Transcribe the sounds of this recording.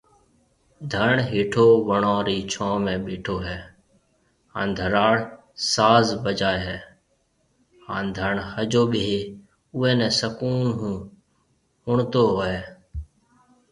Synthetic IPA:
d̪ʱəɳɦiːʈʰoːʋəɳãːɾiːt͡ʃʰɔ̃ːmẽːɓiːʈʰoːɦɛː | hã̰ːnd̪ʱəɾaːɽ | saːzbəd͡ʒaːeɦɛː | hã̰ːnd̪ʱəɳhəd͡ʒoːɓɪɦeː | ʊɛ̃ːnɛ̃ːsəkuːnɦ | hʊɳt̪oːɦoeː

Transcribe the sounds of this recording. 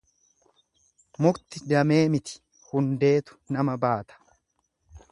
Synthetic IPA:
mʊkt̪ɪd̪ɐmeːmɪt̪ɪ̥ | hʊnd̪e̞ːt̪ʊ̥nɐmɐbaːt̪ɐ̥

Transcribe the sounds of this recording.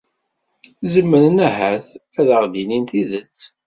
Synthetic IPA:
zəmːəɾnæɦæθ | æðəʁd̪inint̪iðət͡sː

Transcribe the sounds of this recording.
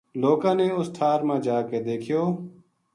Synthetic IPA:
loːkãːneːʊst̪ʰaːɾmãːd͡ʒaːkeːd̪eːkʰɪjoː

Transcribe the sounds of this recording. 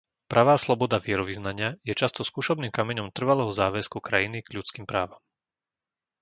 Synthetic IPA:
pɾʔaʋaːslɔbɔd̪aʋɪɛɾɔʋiznaɲɪajɛt͡ʃast̪ɔskuːʃɔbniːmkamɛɲɔmt̪r̩ʋalɛːɦɔzaːʋɛskukɾajiniɡ̥ʎut͡skiːmpɾaːʋam

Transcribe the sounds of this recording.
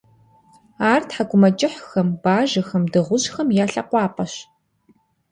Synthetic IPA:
aːrtħaɡʷʊmɐt͡ʃʼɪħxɐmbaːʒɐxɐmdɨʁʷʊʑxɐmjaːɬɐ̰qʷɑːpʼɐɕ

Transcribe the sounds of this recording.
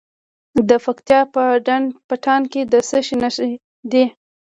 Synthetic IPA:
d̪əfakt̪jɑpəɖaɳpəʈʰɑnked̪əsəʃinaʃ | d̪i

